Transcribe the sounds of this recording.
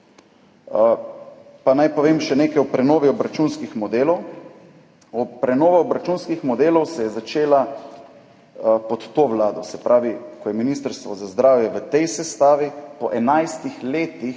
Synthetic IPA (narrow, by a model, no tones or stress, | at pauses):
panajpɔʋeːmʃɛneːkajɔpɾɛnoːʋiɔbɾat͡ʃunskixmɔd̪eːlɔw | ɔpɾɛnoːʋaɔbɾat͡ʃunskixmɔd̪eːlɔwsɛjɛzat͡ʃeːla | pɔt̪ːoːʋlaːd̪ɔsɛpɾʔaːʋikɔjɛminist̪əɾst̪ʋɔzazd̪ɾaːwjɛʋət̪ɛjsɛst̪aːʋipɔʔɛnajst̪ixleːt̪i